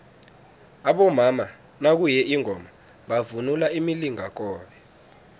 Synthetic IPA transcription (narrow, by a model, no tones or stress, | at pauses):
aɓɔmama | nak̬ujɛʔiŋʱɔma | ɓavunulaimiliŋʱak̬ʼɔːɓɛ